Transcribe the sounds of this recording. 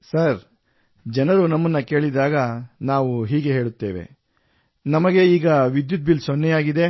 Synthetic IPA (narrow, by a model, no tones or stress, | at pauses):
sɐɾ | d͡ʒɛnɐɾunɐmːɐnːɐke̞ːɭid̪aːɡɐnaːʋuɦiːɡe̞ɦe̞ːɭut̪ːe̞ːʋḛ | nɐmɐɡe̞iːɡɐʋid̪jut̪̚bilsonːɛjaːɡid̪e̞